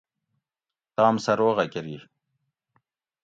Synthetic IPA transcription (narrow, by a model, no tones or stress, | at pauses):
t̪ɑːmsɐɾoːɣakeɾi